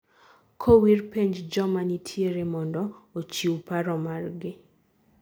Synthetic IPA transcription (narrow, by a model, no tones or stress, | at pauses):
kʰowirpeɲd͡ʒd͡ʒɔmanitʰjeɾemɔndɔot͡ʃiwpaɾɔmarɡɪ